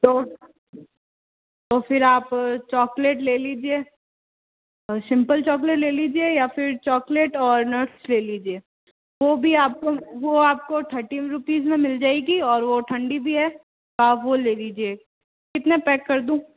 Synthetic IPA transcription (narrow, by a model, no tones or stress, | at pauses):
t̪oː | t̪ofɪɾaːpt͡ʃɔːkleːʈleːliːd͡ʒieː | sɪ̃mpəlt͡ʃɔːk̬leːʈleːliːd͡ʒiejafɪɾt͡ʃɔːkleːʈɔːɾnəɾʈsleːliːd͡ʒieː | ʋoːbʱiaːp̚koʋoaːp̚kot̪ʰɐɾʈiɾʊpiːzmẽmɪld͡ʒaːeɡiɔːɾʋoʈ̪ʰɐ̃ɳɖibʱiɦɛː | baːʋoleːliːd͡ʒie | kɪt̪nepɛːkːɐɾd̪ũː